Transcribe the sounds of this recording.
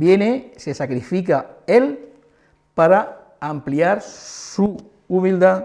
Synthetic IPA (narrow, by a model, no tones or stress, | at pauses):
bjenesesakɾifik̬ael | paɾaː | mpliaɾsuː | mild̪a